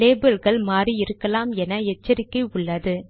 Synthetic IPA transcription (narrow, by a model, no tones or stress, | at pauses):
leːbɪlɣɐɭmaːriɪɾɯkːɐlaːmɛnɐɛt͡ʃːɐɾɪkːɐɪʊɭːɐðɯ